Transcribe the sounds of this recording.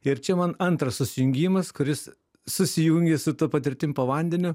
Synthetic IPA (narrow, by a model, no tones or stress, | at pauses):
ɪɾt͡ʃʲɛmɐnɐnt̪ɾɐssʊsʲɪjʊŋʲɡʲiːmɐskʊɾʲɪsː | ʊsʲɪjuŋʲɡʲesʊt̪uːpɐt̪ʲɪɾʲt̪ʲɪmʲpɐʋɐˑnʲd̪ʲɛnʲʊ